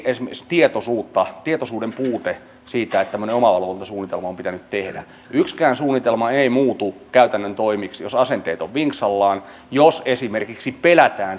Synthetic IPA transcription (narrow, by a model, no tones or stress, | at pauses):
esimst̪iet̪osuːt̪ːɑt̪iet̪osuːdempuːt̪e | siːt̪æet̪t̪æmːø̆neomɑlːɑlʋolnt̪ɑsuːnːit̪elmɑompit̪ænyt̪t̪ehdæ̰ | ykskæːnsuːnːit̪elmɑeimuːt̪ukæyt̪ænːønt̪oimiksjosɑsent̪eːt̪oʋʋiŋksɑlːɑːn | josesimerkiksipelæt̪æːn